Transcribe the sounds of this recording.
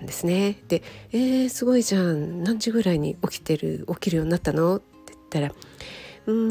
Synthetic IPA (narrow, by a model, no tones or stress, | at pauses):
nd̪e̞sɨne̞d̪̥e̞eːsɨɡo̞iʑãːnãɲ̟d͡ʑɨɡɯ̟ɾaiɲ̟ḭo̞kʲi̥t̪e̞ɾɯ̟̰o̞kʲiɾɯ̟jo̞ːɲ̟inat̪ːano̞t̪ːet̪ːaɾa | ɯ̟̃ː